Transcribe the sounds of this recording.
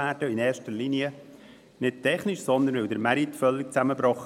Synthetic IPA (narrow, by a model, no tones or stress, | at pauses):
æːɾd̥əinɛːɾʃtəɾliniə | nɪt̚tʰɛχniʃsɔnd̪ənʋɪwd̪əɾmæɾitfœlːɪkt͡sæməbɾɔχ